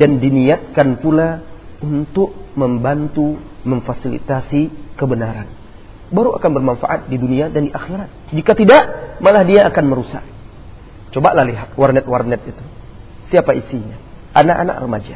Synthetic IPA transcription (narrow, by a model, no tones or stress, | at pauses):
dandiniat̪̚kanpulaunt̪ʊk̚məmbant̪uməɱfasilḭt̪asikəbənaɾan | baɾuakanbərmanfa̰ʔat̪̚diduniadandiʔaxiɾat̪̚d͡ʒikat̪idaʔmalahdiaːkanməɾusa̰k | t͡ʃobaʔlahliɦat̪̚warnɛt̪warnɛt̪̚it̪u | siapaisiɲaʔanaʔa̰na̰ʔrəmad͡ʒa